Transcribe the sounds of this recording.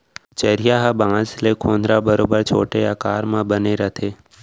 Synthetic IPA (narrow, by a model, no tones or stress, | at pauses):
t͡ʃəɾijaɦabãːd͡ʒlekʰoːnd̪ɾabəɾoːbəɾt͡ʃʰo̰ːʈeakaːɾmãbəneɾət̪ʰeː